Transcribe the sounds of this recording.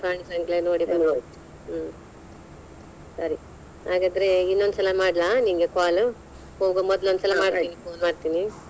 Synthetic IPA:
paːɳisɐŋklenoːɽibɐ | sɐɾi | haːɡad̪ɐɾeinːond̪sɐlːɐmaːɽlaniŋɡekaːlu | hoːɡomɔd̪lond̪sɐlːɐmaːɽt̪ːinifoːnmaːɖt̪iːni

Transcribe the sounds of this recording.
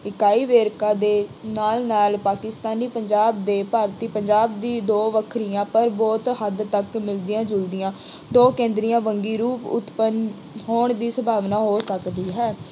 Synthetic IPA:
ɪkaːiːʋeːɾkãːd̪eːnaːlnaːlpaːkɪst̪aːniːpəɲd͡ʒaːb̚d̪eːpaːɾt̪iːpəɲd͡ʒaːb̚d̪iːd̪oːʋəkʰɾijãːpəɾbɔːt̪ɦəd̪t̪əkmɪld̪iãːd͡ʒʊld̪iãː | d̪oːkẽːnd̪ɾiːãːʋəŋɡiːɾuːpʊ̰t̪pən | ɦoːɳd̪iːsəbʱaːʋnaːɦoːsəkd̪iːɦɛː

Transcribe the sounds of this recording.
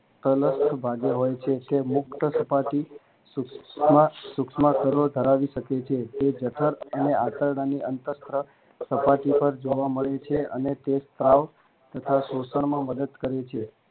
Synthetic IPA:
t̪ələst̪ʰbʱaɡeɦojt͡ʃʰet̪emʊkt̪əsəpaʈi | skasukʃmakəɾod̪ʱəɾaʋiʃəket͡ʃʰet̪ed͡ʒəʈʰəɾəneat̪əɾɽaniʔənt̪əst̪ɾə | səpaʈipəɾd͡ʒoʋaməɭet͡ʃʰeənet̪est̪ɾaʋ | t̪ət̪ʰasosəɳ̃mãməd̪əd̪kəɾet͡ʃʰe

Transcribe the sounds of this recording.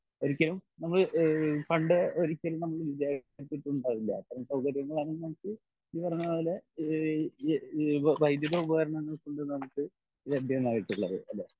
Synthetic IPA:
o̞ɾikʲːɐlumnɐmːɐɭkɐɳɖɨoɾikʲːɐlinɐmːɐɭlid̪aːɾit̪ːiʈːuɳɖaːðilːɐ̰pɐrɐmsɐwkɐɾjɐŋːɐɭaːnenmɐɳɐt͡ɕːɨ | iːpɐrɐɲːuɐðɐlːe | ʋɐjd̪jɐðɐubɐɣɐɾɐɳɐŋːɐɭɐsuɳɖɨnɐmɐkːɨ | ɾeb̪ʱjɐenːaːɣiʈːuɭːɐðɨ̰ɐlːe

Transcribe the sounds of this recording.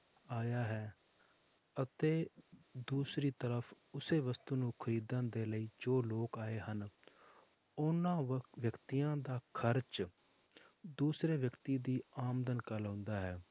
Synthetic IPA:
aːjaːɦɛː | ət̪eːd̪uːsɾiːt̪əɾəfʰ | ʊseːʋəst̪uːnũːkʰəɾiːd̪ãːnd̪eːləiːd͡ʒoːloːkaːeːɦən | ʊnãːʋjəkt̪ijãːd̪aːkʰəɾt͡ʃ | d̪uːsɾeːʋjəkt̪iːd̪iːaːmd̪ənkəlɦʊ̃nd̪aːɦɛː

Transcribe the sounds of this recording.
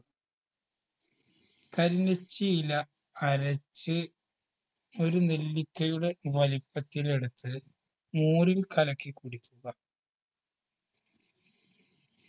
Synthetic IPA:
kɐɾinɐt͡ɕːijilɐː | ɾɐt͡ɕːɨ | o̞ɾunelːikʲːɐjuɽe̞ʋɐlipːɐt̪ːile̞ɽut̪ːɨ | muːrilkʰɐlɐkːɨkuɽikʲːuɣɐ

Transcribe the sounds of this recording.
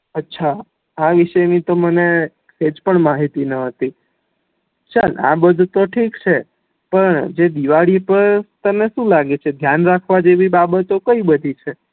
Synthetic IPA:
ətːʃʰa | aʋiʃənit̪oməne | sed͡ʒpəɳmaɦit̪inəɦət̪i | t͡ʃala̰bəd̪ʱut̪oʈʰikt͡ʃʰe | pəɳd͡ʒed̪iʋaɭipəɾt̪əmneʃũlaɡet͡ʃʰed̪ʱjanɾakʰʋad͡ʒeʋibabət̪okəibəd̪ʱit͡ʃʰe

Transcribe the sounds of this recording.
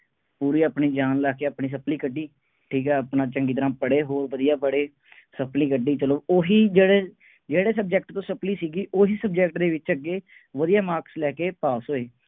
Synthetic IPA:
puːɾiːapɳiːd͡ʒaːnlaːkeːəpɳiːs̬əpliːkəɖːiː | ʈʰiːkɛːəpnãːt͡ʃəŋɡiːt̪əɾãːpəɽeːɦoːɾʋəd̪ijaːbəɽeː | səpliːkəɖiːt͡ʃələoːɦiːd͡ʒeːɽeː | d͡ʒeːɽeːs̬əb̚d͡ʒɛkʈt̪õːsəpliːsiːɡiːʔoːɦiːsəb̚d͡ʒɛkʈd̪eːʋɪt͡ʃəɡːeː | ʋəd̪ijaːmaːɾkslɛːkeːpaːsɦoːeː

